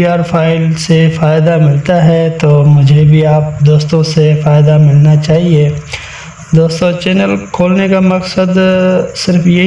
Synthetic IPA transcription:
iaːɾfʰaːɪlsefaːɪd̪amɪlt̪aɦɛt̪oːmʊd͡ʒʱebʱiaːp̚d̪oːst̪õsefaːɪd̪amɪlnat͡ʃaːɦie | d̪oːst̪õt͡ʃɛːnəlkʰoːlnekamɐksəd̪sɪɾfje

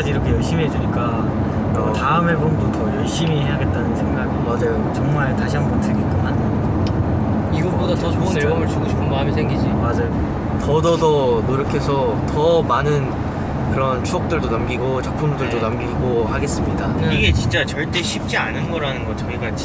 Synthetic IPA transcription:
d͡ʑiiɾʌkʰe̞jʌɭɕ͈imiɦe̞d͡ʑuɲik͈a | taɯmɦebomdotʰʌjʌɭɕ͈imiɦe̞jaɡe̞t̚t͈anɯnsʰe̞ŋɡaɡimad͡ʑajot͡ɕʌŋmaɭtaɕʰiɦanbʌntʰɯɡek͈ɯman | iɡʌk̚p͈odatʌt͡ɕouneɭɡʌbʌɭs͈uɡoɕʰipʰɯnmaamisʰe̞ŋɡid͡ʑimad͡ʑɯ | tʌdʌdʌnoɾjʌkʰe̞sʰʌ | tʌmanɯn | kɯɾʌnt͡ɕʰuʌk̚t͈ɯɭdonamɡiɡot͡ɕak̚pʰɯmudɯɭdonamɡiɡohaɡe̞s͈ɯmɲidaɯniɡe̞t͡ɕint͡ɕ͈at͡ɕʌɭt͈e̞ɕʰip̚t͡ɕ͈ianɯnɡʌɾanɯnɡʌt͡ɕʌɡiɡat͡ɕʰ

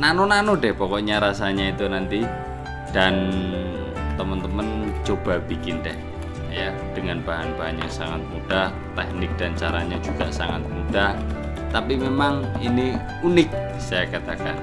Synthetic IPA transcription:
nanonanodɛhpɔkɔɲaɾasaɲait̪unant̪i | d̥an | t̪əmənt̪əmənt͡ʃob̥ab̥ikɪndɛh | ja | d̥əŋanb̥aɦanbaɦanɲasaŋat̪̚mud̥ah | t̪ɛk̚nɪk̚d̥ant͡ʃaɾaɲad͡ʒuɡ̥asaŋa̰t̪̚mud̥ah | t̪apimemaŋini | unɪk̚ | sajakat̪akan

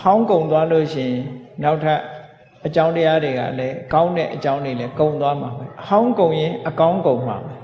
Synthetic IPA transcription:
hãʊ̃ŋkõʊ̃nt̪waloɕɪ̰̃ɪ̃naʊʔtʰɛʔ | ət͡ɕãʊ̃təjadeɡa̰lɛkãʊ̃nɛ̰ʔət͡ɕãʊ̃ndwelɛkõʊ̃nt̪wamabɛhãʊ̃ŋkõʊ̃jɪ̃ʔəkãʊ̃ŋkõʊ̃m̥a̰bɛ

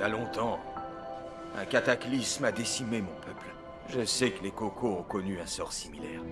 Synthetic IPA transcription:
alɔ̃t̪ɑ̃ | ɛ̃kat̪aklismad̪esimemɔ̃pʰœpl | ʒəsɛkəlekɔkʰoɔ̃kɔnyɛ̃sɔʁsimilɛːʁ

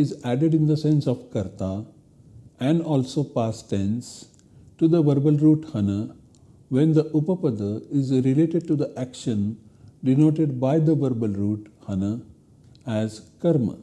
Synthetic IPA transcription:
ɪzæɖeɖɪ̃nd̪əsẽnsɔʋkɐɾt̪a | ɛ̃ɳɖɔːlsoːpaːsʈẽns | ʈud̪əʋəɾbəlɾuːʈhʌnə | ʋẽnd̪əʔupəpəd̪əɪzɾileːʈeɖ̚ʈud̪əʔækʃə̃n | ɖinoːʈeɖ̚baɪd̪əʋəɾbəlɾuːʈhʌnə | æzkɐɾmə̰

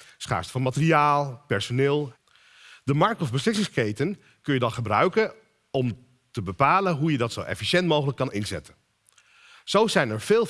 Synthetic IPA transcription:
sχa̰ːɹstə̥vɑnmatəriaːlˠpɛɹsonɪːlˠ | dəmɑɹk̚tɔvbəslɪsɪŋskejtən | kɵnjədɑnχəbrœɥkən | ɔm | təbəpaːlənɦujədɑtsowʔɛ̰fiʃɛntmowχələkːɑnɪnzɛ̰tən | z̥owzɛjnɛɹv̥ɪːlˠ

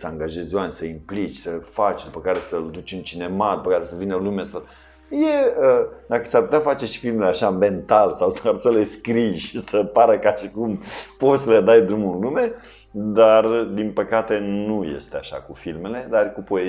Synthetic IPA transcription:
səaŋɡaʒe̞zʲoanʲsəimplit͡ʃʲsəfat͡ʃʲd̪upəkaɾe̞səld̪ut͡ʃʲɨnt͡ʃine̞mad̪̚upəkaɾesəvinəlumasaw | jeəd̪akəsarput̪ʲafat͡ʃe̞ʃi̥filmeleaʃamme̞nt̪alsawsaɾsəle̞skɾijʃisəpaɾəkaʃikumpo̞t̪səled̪ajd̪ɾumunlume̞ | d̪ard̪inpəkat̪e̞nujḛst̪eaʃa̰kufilme̞le̞d̪arkupoe

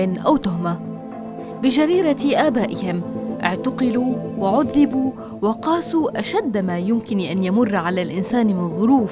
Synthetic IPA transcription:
ɪnʔawt̪ʊɦma | bɪd͡ʒaɾiːɾaʔaːbaːʔɪhɪmʔɪʕt̪aqɑluːwaʕʊðːɪbuː | wɑqɑːsuːʔaʃad̪ːmaːjʊmkɪnʔanjamʊrˤːʕalaːlʔɪnsaːnmɪnðˤːʊɾuːf

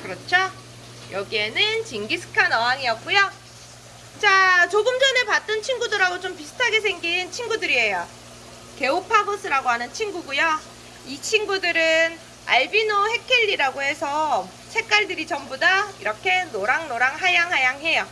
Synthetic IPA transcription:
kɯɾʌt͡ɕʰo | jʌɡie̞nɯnt͡ɕiŋɡisʰɯ̥kʰanʌɦaŋijʌk̚k͈ujo | t͡ɕ͈at͡ɕoɡɯmd͡ʑʌne̞pat̚t͈ɯnt͡ɕʰiŋɡudoɾaɡot͡ɕompisʰɯ̥tʰaɡe̞sʰe̞ŋɡint͡ɕʰinɡudɯɾiɦe̞jo | ke̞opʰabos͈ʰɯɾaɡoɦanɯnt͡ɕʰinɡuɡujo | it͡ɕʰinɡudɯɾɯn | aɭbinohe̞kʰiʎːiɾaɡoɦe̞sʰʌ | t͡ɕʰe̞k͈aɭdɯɾit͡ɕʌmbodaiɾʌkʰe̞noɾaŋnoɾaŋɦajaŋɦajaŋɦe̞jo

